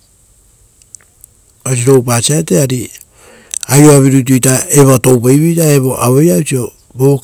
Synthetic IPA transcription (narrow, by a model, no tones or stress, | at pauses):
os̬iɾo̞wpasiateaɾi | ajoaβiɾut̬ujtae̞βoto̞wpejβijtae̞βo̞ʔaβo̞jausio̞ | bo